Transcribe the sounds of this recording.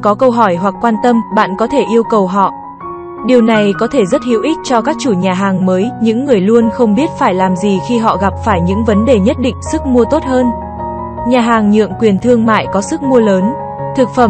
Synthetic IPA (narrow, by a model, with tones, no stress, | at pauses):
kɔ˨˦kə˧wɦɔ˧˩jɦwa˨˩k̚ːwaː˧nt̪ə˧mɓa̰ː˧˨nkɔ˨˦t̪ʰe˧˩ʔi˧əwkə˨˩wɦɔ̰˧˨ | ɗi˨˩əwna˨˩jkɔ˨˦t̪ʰe˧˩zə˦˥t̚hi˧˩əwʔi˦˥t̟̚t͡ɕɔ˧kaː˦˥k̚t͡ɕu˧˩ɲaː˨˩ɦaː˨˩ŋməː˨˦jɲɨ̰˧˥ŋːɨ˨˩əjlu˧ənxə˧wŋ͡mɓi˦˥ət̚faː˧˩jlaː˨˩mzi˨˩xi˧ɦɔ̰˧˨ɣa˨˩p̚faː˧˩jɲɨ̰˧˥ŋvə˨˦nɗe˨˩ɲə˦˥t̚ɗḭ˧˨ŋ̟sɨ˦˥k̚mu˧ət̪o˦˥t̚ɦəː˧n | ɲaː˨˩ɦaː˨˩ŋɲɨ̰˧˨əŋkwi˨˩ənt̪ʰɨ˧əŋma̰ː˧˨jkɔ˨˦sɨ˦˥k̚mu˧ələː˨˦n | t̪ʰɨ˨˩k̚fə˧˩m